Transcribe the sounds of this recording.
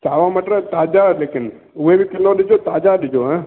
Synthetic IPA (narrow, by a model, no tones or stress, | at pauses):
t͡ʃaʋamaʈet̪ad͡ʒalekɪn | uʋebikɪlːoɗɪd͡ʒot̪ad͡ʒaɗɪd͡ʒoɦɛ̃